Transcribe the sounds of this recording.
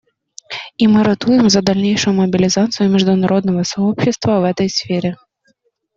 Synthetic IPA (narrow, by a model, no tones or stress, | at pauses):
imɨɾɐt̪ujɛmzɐd̪ɐlʲnʲejʂʊjʊmɐbʲilʲizat̪sɨjʊmʲɪʐd̪ʊnaɾʔɔd̪nɐvɐsaɔpɕɪst̪vɐvɛt̪ɐjsʲfʲeɾʲɛ